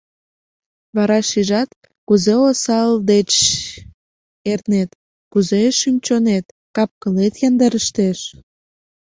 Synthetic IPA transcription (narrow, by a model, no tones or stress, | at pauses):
βɑɾɑʃiʒɑt̪ | kuzeosɑld̪et͡ɕ | ernet̪ | kuzeʃymʲt͡ɕonet̪ | kɑp̚kəlet̪jɑnd̪əɾəʃt̪eʃ